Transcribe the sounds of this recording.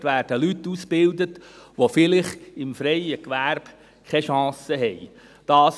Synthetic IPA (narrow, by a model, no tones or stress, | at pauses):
tʋæːɾd̥əlytːusb̥ɪld̪ətʋofɪlɪχɪmfɾɛjəkʋæɾb̥ | kʰχɛʃɑ̃ːsəɦɛj | d̥ɑːs